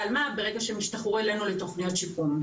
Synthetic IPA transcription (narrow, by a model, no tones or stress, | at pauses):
almabe̞ʁeɡaʃemiʃtaχuelenulet̪oχnijot̪ʃikum